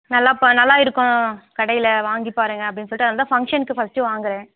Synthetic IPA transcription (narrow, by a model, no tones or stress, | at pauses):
nɐlːaːpnɐlːaːɪɾɯkːʊ̃kɐɽɐjɪlɐʋaːŋɡipːaːɾɯŋɡɐɐp̬ːɐɽɪnːɯsɔlɪʈːɯɐðɐnd̪aːfɐŋkʂɐnɯkːɯfɐsʈɯʋaːŋɡɯɾẽː